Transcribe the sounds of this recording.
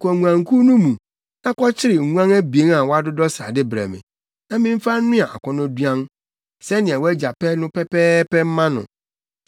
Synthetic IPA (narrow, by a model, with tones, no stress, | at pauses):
kʰɔ˨ŋu˨ã˨ŋ̩˨kʰu˦nũ˦mũ˨ | nã˦kɔ˦t͡ɕʰɪ˦ɾɪ˨ŋũ˦ã˦ŋæ˦bi˨e˦ŋa˨wɔ˦a˦dʊ˦dɔ˦sa̰˨dɪ˦bɾɛ̰˨mɪ̰̃˨ | nã˦mɪ̃˦m̩˦fa˦n̩˦nɪ̃˦a˨ʔa̰˨kʰɔ̃˨nʊ̃˦du˦ã˦n˦ | sɛ˦nɪ̃˨ɛ̃˨wɔ˦æ˦d͡ʑa˨pʰɛ˦nʊ̃˦pɛ˦pɛː˦pɛ˦m̩˦mã˦nʊ̰̃˨